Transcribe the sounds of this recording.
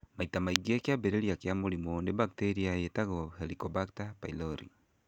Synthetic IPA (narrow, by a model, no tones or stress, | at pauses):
maitamaiɡekjabɛɾɛliakjamolimonebaktɛɾiajetaɣɔhelikɔbaktapailɔɾḭ